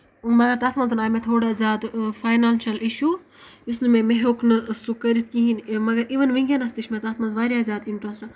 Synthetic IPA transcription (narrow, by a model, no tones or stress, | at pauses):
mɐɡɐɾt̪aːt̪ʰmɐnzɨnaːjmet̪ʰoːɽazʲaːd̪faːjnaːnʃɐliʃuː | jusnɨmemeɦoːknɨsukɐɾit̪kĩɦinmɐɡɐɾiʋɐnʋiŋɡʲjɐnɐst̪iʃmet̪aːt̪ʰmɐnzʋaːɾʲjaːzʲjaːd̪iɳʈɾɐsʈɨ